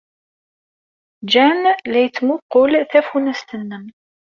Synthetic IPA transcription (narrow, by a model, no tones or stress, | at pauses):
d͡ʒænlæjət͡sːmʊqːolθæfunæst̪ənːəm